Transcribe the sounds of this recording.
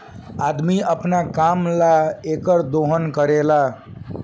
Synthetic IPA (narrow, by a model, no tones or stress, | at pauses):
ad̪miəpnakamlaekəɾd̪oɦənkəɾela